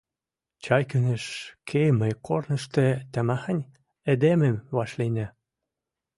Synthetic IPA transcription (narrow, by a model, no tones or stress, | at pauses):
t͡ɕɑjkyneʃkʰeməjkornə̆ʃt̪ĕt̪æmɑxənʲ | ed̪ememvɑʃlinæ